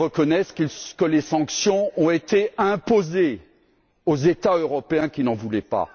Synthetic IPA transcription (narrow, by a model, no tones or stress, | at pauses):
əkɔnɛskiskəlesɑ̃ksjɔ̃ɔ̃et̪eɛ̃poze | ozet̪aøʁɔpeɛ̃kʲinɑ̃vulɛpa̰